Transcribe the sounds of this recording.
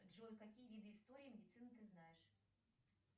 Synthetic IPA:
ʐojkɐkʲijəvʲid̪ɨɪst̪oɾʲɪːmʲɪdʲɪt̪sɨnɨt̪ɨznajɪʂ

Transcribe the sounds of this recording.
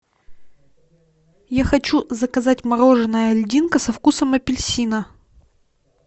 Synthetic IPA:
jaxɐt͡ɕuzəkɐzatʲmɐɾo̞ʐɨnəjəɐlʲdʲinkəsɐfkusəmɐpʲɪlʲsʲinə

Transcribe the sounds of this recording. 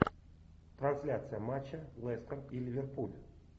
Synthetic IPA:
t̪ɾansʲlʲat̪sɨjamat͡ɕːalˠɛst̪ərilʲivʲerpulʲ

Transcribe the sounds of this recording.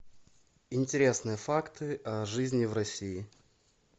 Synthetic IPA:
ɪnʲtʲɪɾʲe̞snɨjəfakt̪ɨʔɐʐɨzʲnʲɪvrɐsʲiɪ

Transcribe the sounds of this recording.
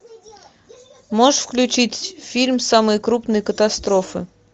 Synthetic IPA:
moʂfklʲʉt͡ɕitʲfʲilʲmsamɨjkɾupnəjkət̪ast̪ɾofɨ̰

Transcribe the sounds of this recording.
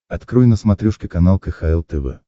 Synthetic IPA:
ɐt̪kɾujnəsmɐt̪ɾʲuʂkʲɪkɐnalˠkəxailˠt̪ɛvɛ̰

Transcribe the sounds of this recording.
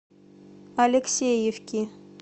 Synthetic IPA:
alʲeksʲejefkʲi

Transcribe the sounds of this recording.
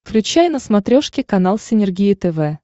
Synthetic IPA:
fklʲʉt͡ɕæjnəsmɐt̪ɾʲoʂkʲɪkɐnalˠsʲɪnʲɪrɡʲijɪt̪ɛvɛ

